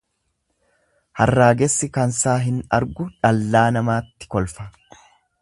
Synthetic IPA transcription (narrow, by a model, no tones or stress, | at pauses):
hɐrːaːɡɛsːɪkɐnsaːɦɪnɐ̰ɾɡʊᶑɐlːaːnɐmaːt̪ːɪ̥kɔlfɐ̥